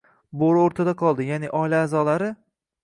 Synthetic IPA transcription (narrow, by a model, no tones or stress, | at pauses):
boɾoɾt̪ʰad̪aqʰɒlˠd̪ɪjanɪʔɒjlaːzɒlaɾɪ